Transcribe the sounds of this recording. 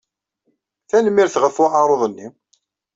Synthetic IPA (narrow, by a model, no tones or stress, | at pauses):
θænmːiɾθʁəfʊʕɑɾˤoðˤənːi